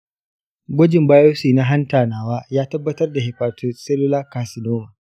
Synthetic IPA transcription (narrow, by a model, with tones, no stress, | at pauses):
ɡʷʊ˦d͡ʒɪ˨mbaː˦joː˦siː˨na˦ɦa˦ntaː˨naː˨waː˦jaː˦tɐ˦bːɐ˦tɐ˦rda˨hɪ˨ɸaː˨tʰo˦sɛ˦lʊ˦laː˦ka˨sɪ˨noː˦ma˨